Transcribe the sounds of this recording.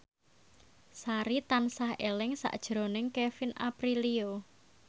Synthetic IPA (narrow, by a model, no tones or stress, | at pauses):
saɾit̪ansahelɪŋsa̰ʔd̥ʒ̥ɾo̤nɪŋkefina̰pɾilio